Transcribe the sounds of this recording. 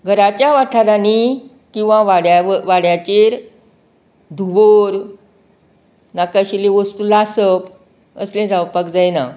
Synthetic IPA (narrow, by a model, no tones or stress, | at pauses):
ɡʱəɾat͡ɕjaʋaʈʰaɾani | kĩw̃ʋãʋaɽjaʋaɽjat͡ɕeɾ | d̪ʱuboɾ | nakaɕileʋəst̪ulasəp | ə̰slẽd͡zawpakd͡zajna